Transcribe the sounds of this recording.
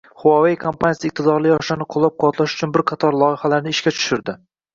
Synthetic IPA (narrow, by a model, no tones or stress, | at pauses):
χʊwɒvejkʰompʰanjasɪɪq̚t̪ʰɪd̪ɒɾlɪjɒʃlanɪqʰʊlˠːɒp̚qʰɒt̪ʰlˠaʃʊ̥t͡ʃʰʊnbɪɾqʰɑt̪ʰɒɾlˠɒɪhalaɾnɪɪʃkʲat͡ʃʰʊ̥ʃɪɾd̪ɪ